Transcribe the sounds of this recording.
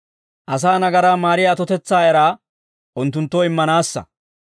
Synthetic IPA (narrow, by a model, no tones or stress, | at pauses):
ʔɐs̬aːnɐɡɐɾaːmaːɾɪjaːt̪ɔt̪ɛt͡sːaːjɐɾaː | ʔʊnt̪ːʊnt̪ːoɪmːɐnaːsːɐ̰